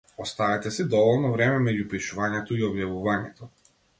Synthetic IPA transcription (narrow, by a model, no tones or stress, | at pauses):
ɔst̪avɛt̪ɛsid̪ɔvɔlˠnɔvɾɛmɛmɛɟupiʃuvaɲɛt̪ɔiɔbjavuvaɲɛt̪ɔ